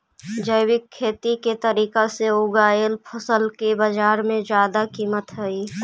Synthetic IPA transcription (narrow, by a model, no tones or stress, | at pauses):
d͡ʒəɪwɪkʰːeːt̪iket̪əɾiːkaseʊɡaːelpʰəsəlkebəd͡ʒaːɾmẽd͡ʒjaːd̪akiːmət̪ɦəiː